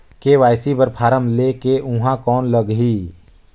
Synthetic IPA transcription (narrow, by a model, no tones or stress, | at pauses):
keʋaːjsibəɾpʰaːɾəmlekeʔʊɦãkɔːnləɡɦiː